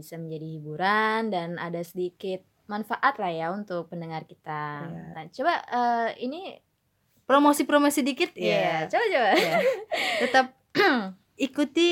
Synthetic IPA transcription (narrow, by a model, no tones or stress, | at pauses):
bisaməɲd͡ʒadihibuɾandana̰dasədikɪt̪̚manfaʔat̪lahjaunt̪ʊk̚pəndəŋarkit̪aat͡ʃobaəini | pɾomosipɾomosidikɪt̪̚at͡ʃobat͡ʃoba | t̪ət̪ap̚ | ikut̪i